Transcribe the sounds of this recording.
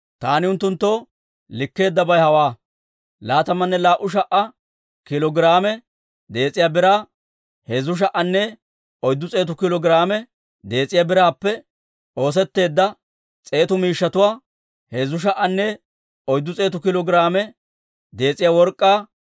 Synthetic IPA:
t̪aːnɪʊnt̪ːʊnt̪ːoː | lɪkːe̞ːd̪ːɐbɐjhɐwaː | laːt̪ɐmːɐnːɛlaːʔʊʃ̬ɐʔɐ | kɪlɔɡɾaːmɛ | d̪e̞ːt͡sʼɪjaːbɪɾaː | hezʊʃ̬ɐʔɐnːɛ | ɔjd̪ːʊt͡sʼe̞ːt̪ʊkɪlɔɡɪɾaːmɛ | d̪e̞ːt͡sʼɪjabɪɾaːpːɛ | ʔo̞ːs̬ɛt̪ːe̞ːd̪ːɐ | t͡sʼe̞ːt̪ʊmiːʃːɐt̪ʊwaː | hezʊʃ̬ɐʔɐnːɛ | ɔjd̪ːʊt͡sʼe̞ːt̪ʊkɪlɔɡɪɾaːmɛ | d̪e̞ːt͡sʼɪjaːwɔɾkʼːaː

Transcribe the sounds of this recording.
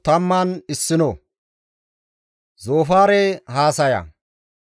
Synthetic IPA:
t̪ɐmːaːnɪsːɪnɔ | zoːfaːɾɛhaːsɐja̰

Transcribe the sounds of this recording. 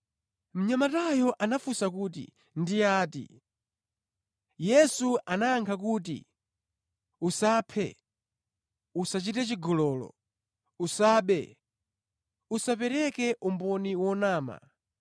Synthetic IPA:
m̩ɲamatajɔʔanafusakuːt̬ḭ | ndiaːtḭ | jɛsuanaːŋkʰak̬uːt̬ḭ | usaːpʰɛ̰ | usat͡ʃitɛt͡ʃiɡɔlɔːlɔ̰ | usaːɓɛ̰ | usapɛɾɛkɛʔumbɔniwɔnaːma̰

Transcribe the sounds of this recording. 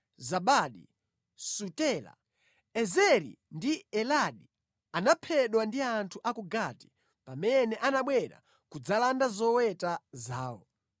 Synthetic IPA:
zaɓaɗḭ | sutɛːla̰ | ɛzɛɾḭndiɛlaɗi | anapʰɛɗwandiantʰuʔakuɡati̥ | pamɛnɛʔanaɓwɛɾa̰ | kud͡zalandazɔwɛtazaːwɔ̰

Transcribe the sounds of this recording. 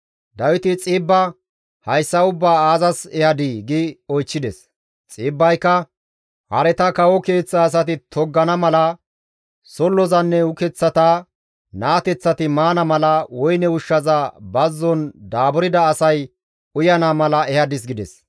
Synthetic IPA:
d̪ɐwɪt̪ɪt͡sʼɪːbːɐ | hɐjsːɐʊbːaːaːzɐsɛhɐd̪iɡɪɔjt͡ʃːɪd̪ɛs | t͡sʼɪːbːɐjkːɐ | hɐ̰ɾɛt̪ɐkɐwɔke̞ːt͡sːɐːs̬ɐt̪ɪt̪ʰɔɡːɐnɐmɐlɐ | sɔlːɔzɐnːɛʊkɛt͡sːɐt̪aː | naːt̪ɛt͡sːɐt̪ɪmaːnɐmɐlɐwɔjnɛʊʃːɐzabɐzːɔnd̪aːbɔɾɪd̪ɐːsɐj | ʊjɐnamɐlɐɛhɐd̪ɪs̬ɡɪd̪ɛ̰s

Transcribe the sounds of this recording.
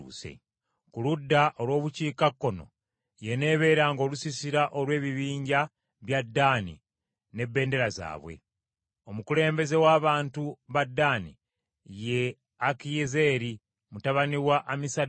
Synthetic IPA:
ṵsḛ | kuludːaʔo̞lwo̞ːβuciːkakːo̞no̞̰ | je̞ne̞ːβe̞ːɾaŋɡo̞ːlusisiɾaʔo̞lwe̞ːβiβiːɲɟa | βjadːaːnḭ | ne̞bːe̞ːnde̞ɾaza̰ːβwe̞̰ | o̞mukule̞ːmbe̞ze̞waːβaːntuβadːaːnḭ | je | akijeze̞ːɾi | mutaβaniwaʔamisa

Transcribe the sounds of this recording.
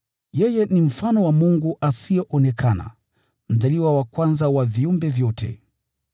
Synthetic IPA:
jɛjɛnim̩fanɔwamuŋɡuʔasijɔʔɔnɛkʰana̰ | m̩zaliwawakwanzawaviumbɛvjɔtʰɛ̰

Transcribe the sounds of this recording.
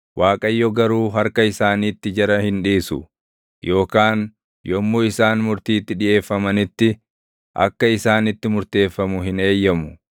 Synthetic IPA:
wʔaːkʼɐjːɔɡɐɾuːɦɐɾkɐɪsaːniːt̪ːɪd͡ʒɐɾɐhɪnᶑiːsʊ̰ | jo̞ːkaːn | jɔmːuːɪsaːnmʊɾt̪iːt̪ːɪᶑɪʔe̞ːfːɐmɐnɪt̪ːɪ | ʔɐ̰kːɐɪsaːnɪt̪ːɪmʊɾt̪e̞ːfːɐmʊɦɪne̞ːjːɐmʊ

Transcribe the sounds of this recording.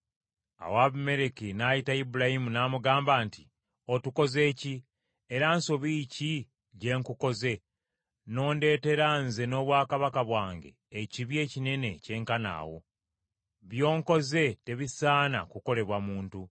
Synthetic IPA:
a̰waβume̞ɾekinajitaibuɾahimunaːmuɡaːmbaːnti | otuko̞ze̞ːci | eɾanso̞βiːci | ɟe̞ːŋkuko̞ze̞ | no̞ːnde̞ːte̞ɾanze̞no̞ːβwaːkaβakaβwaːŋɡe̞̰ːciβje̞ːcine̞ne̞ce̞ːŋkana̰ːwo̞̰ | βjo̞ːŋko̞ze̞te̞βisaːna̰kuko̞le̞βwamuːntu

